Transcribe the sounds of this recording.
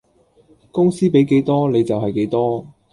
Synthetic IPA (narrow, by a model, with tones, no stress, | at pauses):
kʊ˥ŋsiː˥pe˨˥jke˨˥jt̪ɔː˥ne˨˧jt͡sɐ˨wɦɐ˨jke˨˧˥jt̪ɔː˥